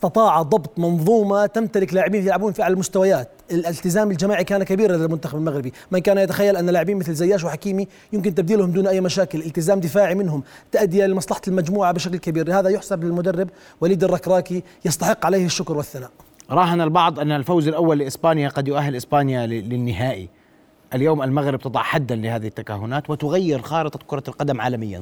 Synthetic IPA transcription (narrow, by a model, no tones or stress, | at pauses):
st̪ɑt̪ˤɑːʕɑd̪ˤɑbt̪ˤmɑnðˤuːmat̪amt̪alɪklaːʕɪbiːnfjɪlʕabuːnfiʔaʕlalmʊst̪awajaːt̪ʔɪlɪlt̪ɪzaːmɪld͡ʒamaːʕikaːnakabiːɾɪlɪlmʊnt̪axabɪlmaɣɾɪbimɪnkaːnajat̪axajːalʔanːalaːʕɪbiːnmɪθlzajːaːʃ̬wħakiːmi | jɪmk̬ɪnt̪ɪb̚d̪iːlhʊmd̪uːnʔajːmaʃaːkɪlʔɪlt̪ɪzaːmd̪ɪfaːʕimɪnhʊmt̪aʔad̪ːɪjalɪmɑsˤlɑħɑ̥lmad͡ʒmuːʕabɪʃaklkabiːɾlɪhaːðajʊħsablɪlmʊd̪arːɪb̚ | waliːd̪ɪrˤːɑkɾˤɑːki | jɑst̪ɑħɪqːʕaleːhɪʃːʊkɾˤwɪθːanaːʔɾˤɑːɦanalbɑʕd̪ˤʔɪnːalfawzalʔawːalːɪʔɪsbaːnjaqɑd̪jʊʔahɦːɪlʔɪsbaːnjalɪnːɪɦaːʔḭ | ʔaljoːmalmaɣɾɪb̚t̪ɨd̪ˤɑ̰ʕħad̪ːanlɪhaːðɪhɪt̪ːakaɦːʊnaːt̪wɪt̪ʊɣajːɪɾxɑːɾɨt̪ˤɑkʊɾˤɑlqɑd̪amʕa̰ːlamɪjːa̰n